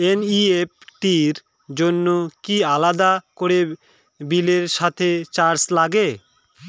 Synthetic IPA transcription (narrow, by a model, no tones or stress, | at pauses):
eniep̚ʈiɾ | d͡ʑonːokialad̪akoɾe | bileɾʃat̪ʰet͡ɕaɾslaɡe